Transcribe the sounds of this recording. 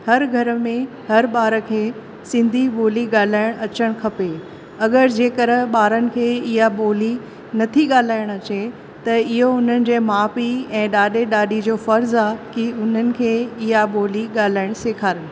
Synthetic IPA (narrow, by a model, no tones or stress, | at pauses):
hɐɾɡʱɐɾəmẽ | hɐɾɓaːɾə̆kʰeː | sɪ̃nd̪ʱiɓoːliɠaːl̤aːɪɽ̃ɐt͡ɕəɽ̃kʰɐpeː | ɐɠəɾd͡ʑeːkɐɾəɓaːɾənɪ̆kʰeːɪɦaɓoːli | nɐt̪ʰiɠaːl̤aːɪɽ̃ɐt͡ɕe | t̪ɐɪɦoʊn̤ənɪ̆d͡ʑeːmaːfiɛ̃ːɗaːɗeɗaːɗid͡ʑoːfɐɾzaːkiʊn̤ənɪ̆kʰeːɪɦaɓoːliɠaːl̤aːɪɽ̃seːkʰaːɾəɽ̃